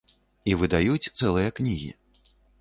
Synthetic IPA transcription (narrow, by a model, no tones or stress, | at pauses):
ivɨd̪ajut͡sʲt̪sɛlˠɨjɐknʲiɣʲḭ